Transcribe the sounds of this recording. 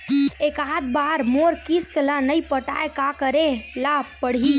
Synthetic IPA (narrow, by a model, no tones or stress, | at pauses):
ekaɦd̪̚baɾmoɾkist̪lanəjpəʈa̰ekakəɾelapəɽ̤i